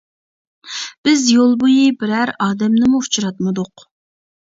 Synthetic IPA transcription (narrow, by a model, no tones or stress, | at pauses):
b̥ɪzjolˠbujibɪɾæɾɑːd̪ɛmnɨmuut͡ʃʰɾɑt̪mɨd̪ʊq